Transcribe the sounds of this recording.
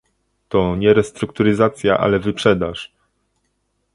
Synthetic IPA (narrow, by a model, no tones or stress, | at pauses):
t̪ɔɲɛɾɛst̪ɾukt̪uɾɘzat̪sʲjaʔa̰lɛvɘpʂɛd̪aʂ